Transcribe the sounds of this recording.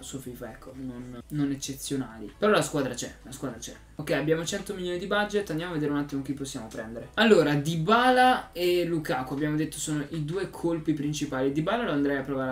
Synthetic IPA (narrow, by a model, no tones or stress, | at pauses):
suofifaɛkːononːonet͡ʃːet̪sːjonaːlipeɾɔlaskwaːd̪ɾat͡ʃɛlaskwaːd̪ɾat͡ʃɛ | okːɛjabːjaːmot͡ʃɛnt̪omiljoːnid̪ibad͡ʒet̪ːand̪jamaved̪eːɾeunat̪ːimok̟ipːosːjaːmopɾɛnd̪eɾealːoːɾad̪ibaːlaelukaːkoabːjaːmod̪et̪ːo̥soːnoʔid̪uːekʰolpipɾint͡ʃipaːlid̪ibaːlaloand̪ɾajapːɾovaːɾe